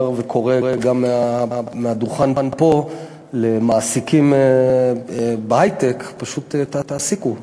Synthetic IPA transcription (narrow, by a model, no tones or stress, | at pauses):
ʁvekʰo̞ʁeeɡamːeameaduχanbanpo̞ | le̞maːsikime | behajt̪ekpaʃut̪etːataːsiku